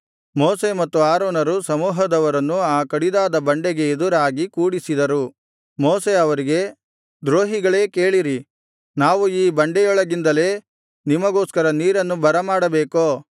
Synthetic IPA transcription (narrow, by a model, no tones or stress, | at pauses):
moːse̞mɐt̪ːuaːɾoːnɐɾusɐmuːɦɐd̪ɐʋɐɾɐnːuaːkɐɽid̪aːd̪ɐbɐɳɖeɡe̞ed̪uɾaːɡikuːɽisid̪ɐɾu | moːse̞ɐʋɐɾiɡe̞ | d̪ɾoːɦiɡɐɭe̞ːke̞ːɭiɾi | naːʋuiːbɐɳɖɛjɔɭɐɡind̪ɐle̞ː | nimɐɡoːskɐɾɐniːɾɐnːubɐɾɐmaːɽɐbeːkoː